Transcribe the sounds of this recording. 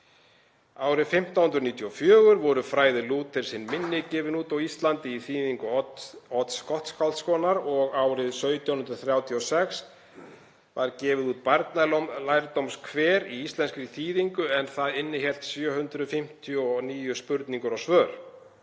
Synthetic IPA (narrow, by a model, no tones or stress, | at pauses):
aːwɾɪðfɪm̥t̪awhʏnt̪ɾʏniːt̪ʰjɔfjœːɣʏɾvɔɾʏfɾaːjðɪluːt̪ɪɾ̥sɪnmɪnːɪcɛːvɪnuːt̪awist̪lant̪ɪiθiːðiŋkʏɔt̪skɔht̪skalt̪skɔːnaɾɔɣaːwɾɪðsœːɥt̪ʰjawhʏnɾʏθɾjaːwt̪ʰiɔsɛks | vaɾcɛːvɪðuːt̪̚paɾt̪nallajɾt̪owmskʰvɛːɾiist̪lɛnskɾiθiːðiŋkʏɛnθaðɪnːɪçɛl̥t̪sjœːɦʏnt̪ɾʏðfɪm̥t̪ʰiɔɔniːjʏspʏɾt̪niŋkʏɾawsvœːɾ̥